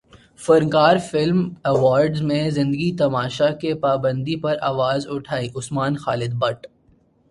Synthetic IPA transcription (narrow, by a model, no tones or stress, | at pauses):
fɐɾŋkaːɾfɪlmɛʋaːɾɖzmẽzɪ̃nd̪əɡit̪ɐmaːʃakepaːbə̃nd̪ipɐɾʔaːʋaːzʊʈʰaːiʔʊsmaːnxaːlɪd̪̚bɐʈ